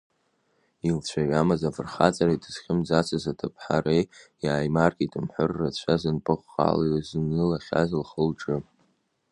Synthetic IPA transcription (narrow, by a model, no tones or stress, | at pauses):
ilt͡ɕʷʰaɥamazavɨrχat͡sʼaɾaitʰʼɨz̥χʲɪmd͡zat͡sʰazatʰɨpʰħaɾejjaːjmarkʲʼitʼɨmħʷʊrːat͡ɕʷʰazɨnpʼɨχʷa̰laɥzɨnɨlaχʲa̰zlχəlʈ͡ʂʼɨ